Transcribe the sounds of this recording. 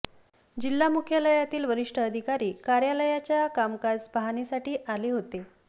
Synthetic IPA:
d͡ʑilːamukʰjaləjat̪iːlʋəɾiʂʈʰəːd̪ʱikaɾiːkaɾjaləjat͡ɕjakamkad͡zbaɦanesaʈiːʔaliːɦot̪e

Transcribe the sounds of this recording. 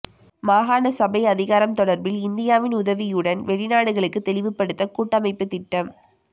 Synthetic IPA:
maːɣaːnɐsɐbɐɪɐðɪɣaːɾɐmt̪ɔɽɐɾbɪlɪnd̪ɪjaːʋɪnʊðɐʋɪjɯɽɐnʋɛɻɪnaːɽɯɣɐɭɯkːɯt̪ːɛɭɪʋɯpːɐɽɯt̪ːɐkuːʈːɐmɐɪpːɯt̪ɪʈːɐm

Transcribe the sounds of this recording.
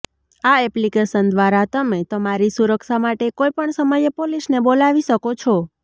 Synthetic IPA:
aɛplikeʃənd̪ʋaɾat̪əmet̪əmaɾisuɾəkʃamaʈekojpəɳsəməjepolisnebolaʋiʃəkot͡ʃʰɔ

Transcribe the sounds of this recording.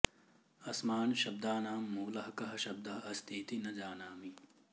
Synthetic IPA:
ɐsmaːnʃɐb̚d̪aːnaːmːuːlɐɦɐkɐɦɐ̆ʃɐb̚d̪ɐɦɐɐst̪ʰiːt̪inɐd͡ʒaːnaːmi

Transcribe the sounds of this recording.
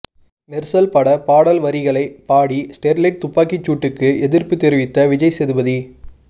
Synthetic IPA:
mɛɾsɐlpɐɽɐpaːɽɐlʋɐɾɪɣɐɭɐɪpaːɽisʈeːɾlɐɪʈ̚t̪ʊpːaːkit͡ʃːuːʈːɯkːɯɛðɪrpɯt̪ːɪɾɪʋɪt̪ːɐʋɪd͡ʒɐɪsɛðɯbɐði

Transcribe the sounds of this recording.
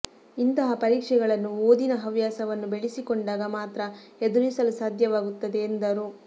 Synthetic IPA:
int̪ɐɦɐpɐɾiːkʂɛɡɐɭɐnːuoːd̪inɐɦɐʋjaːsɐʋɐnːubeɭisikoɳɖaːɡɐmaːt̪ɾɐ | ed̪uɾisɐlusaːd̪ʱjɐʋaːɡut̪ːɐd̪e̞ːnd̪ɐɾu

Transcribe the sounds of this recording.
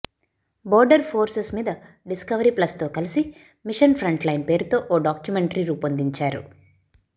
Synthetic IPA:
bɔːɾɖɐɾpʰoːɾsesmiːd̪ɐ | ɖiskɐʋɐɾiːplɐst̪o̞ːkɐlisi | miʂɐnpʰɾɐɳʈlɐjnpe̞ːɾut̪o̞ːʔoːɖaːkjumeɳʈɐɾiɾuːpɐnd̪iɲt͡ʃaːɾṵ

